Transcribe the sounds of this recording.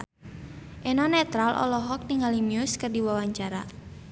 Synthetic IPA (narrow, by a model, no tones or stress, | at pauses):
ʔenɔnɛt̪ɾalʔɔ̰lɔɦɔk̚nɪŋalimiʊskɨrdiwawaɲt͡ʃaɾa